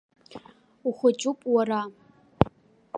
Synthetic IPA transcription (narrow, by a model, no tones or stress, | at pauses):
uχʷʊt͡ʃʼʊpʼwara